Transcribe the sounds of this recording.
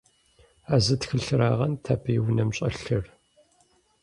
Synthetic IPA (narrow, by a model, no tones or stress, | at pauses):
aːzɨtxɨɬɨɾaːʁɐntʰaːbʰijwnɐmɕʼɐɬɨr